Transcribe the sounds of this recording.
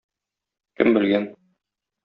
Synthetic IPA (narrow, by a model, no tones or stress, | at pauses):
kɘ̰mbɘ̆lɡæn